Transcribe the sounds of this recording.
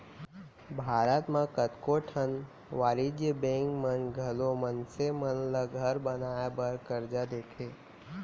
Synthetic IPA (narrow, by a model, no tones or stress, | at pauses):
bʱaːɾət̪mãkət̪koʈʰən | ʋaːɾid͡ʒjəbẽŋkmənɡʱəlomənsemənləɡʱəɾbənajabəɾkəɾd͡ʒad̪eːkʰe